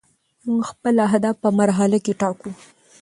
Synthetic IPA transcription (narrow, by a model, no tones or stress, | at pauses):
muŋɡxpəlaɦd̪afpəmaɾɦalakeʈɑku